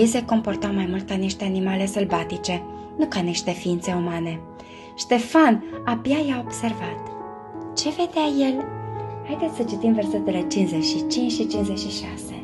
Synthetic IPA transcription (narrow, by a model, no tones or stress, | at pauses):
iseko̞mpo̞rt̪awmajmult̪aniʃt̪e̞animale̞səlbat̪it͡ʃe̞ | nukaniʃt̪e̞fiint̪se̞umane̞ | ʃt̪e̞fanabjajao̞bse̞rvat̪ | t͡ʃe̞ve̞d̪eaje̞lhajd̪et̪ssət͡ʃit̪imve̞rse̞t̪e̞le̞t͡ʃinze̞t͡ʃʃit͡ʃint͡ʃʲʃit͡ʃinze̞t͡ʃʃiʃase̞